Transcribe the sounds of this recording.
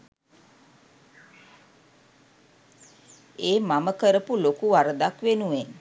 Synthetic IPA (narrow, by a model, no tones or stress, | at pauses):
eːmaməkəɾəpulokuʋaɾəd̪akʋenuʋen